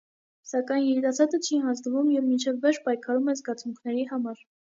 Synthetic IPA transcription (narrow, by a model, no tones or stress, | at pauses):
sɑkɑjnjɛɾit̪ɑsɑt̪ət͡ʃʰiɦɑnzd̪əvumjɛvmint͡ʃʰɛvːɛʃpɑjkʰɑɾumɛzɡɑt͡sʰuŋkʰnɛɾiɦɑmɑɾ